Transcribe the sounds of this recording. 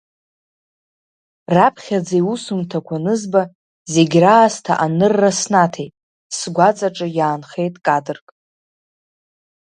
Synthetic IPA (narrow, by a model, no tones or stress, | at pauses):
rapʰχʲad͡zajusumtʰakʷʰanɨzba | zeɡʲraːstʰaʔanɨrːasnatʰejtʼ | sɡʷat͡sʼaʈ͡ʂʼɨjaːnχe̞jtʼkʼadɨrkʼ